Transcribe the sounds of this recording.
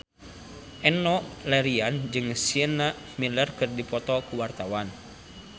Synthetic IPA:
ʔɛnɔlɛɾiand͡ʒɨŋsiəna | milərkɨrdipɔt̪ɔkuwart̪awan

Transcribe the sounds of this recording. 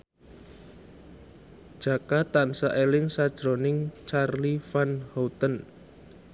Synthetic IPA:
d̥ʒ̥ä̤kat̪ansaʔelɪŋsad̥ʒ̥ɾo̤nɪŋt͡ʃarlifanhɔwt̪ən

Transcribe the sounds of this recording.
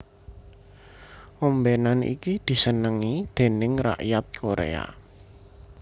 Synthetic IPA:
ɔmbɛnanḭkid̪̥i̤sənəŋid̪̥e̤nɪŋra̰ʔjat̪̚kʰoɾḛa̰

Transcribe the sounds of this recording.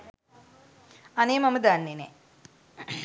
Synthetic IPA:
ɐneːmɐmɐd̪aːnːene

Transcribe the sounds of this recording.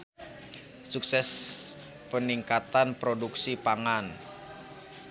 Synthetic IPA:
suksɛs | pəniŋkat̪anpɾoduksipaŋan

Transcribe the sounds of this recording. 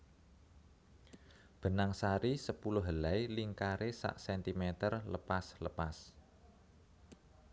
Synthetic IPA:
b̥ə̤naŋsaɾisəpulʊɦəlajliŋkaɾesa̰ʔsɛnt̪imet̪ərlə̰pasləpas

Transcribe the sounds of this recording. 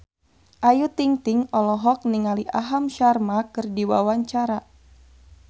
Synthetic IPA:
ʔajut̪iŋt̪iŋɔlɔɦɔk̚niŋaliʔaɦamʃarmakɨrdiwawaɲt͡ʃaɾa

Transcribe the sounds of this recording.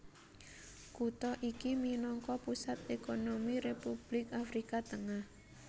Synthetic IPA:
kut̪ɔʔikiminɔŋkɔpusat̪̚ekonomiɾepub̥lɪkafɾikat̪əŋah

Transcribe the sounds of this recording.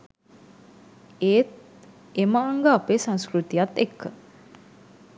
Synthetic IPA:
eːt̪̚ | eməːŋɡəapeːsãnskɾut̪ijat̪ːekːə

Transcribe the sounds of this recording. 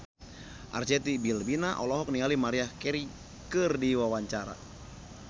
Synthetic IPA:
ʔa̰rt͡ʃɛt̪ibilbinaʔɔlɔɦɔk̚nialimaɾiakɛɾi | kɨrdiwawaɲt͡ʃaɾa̰

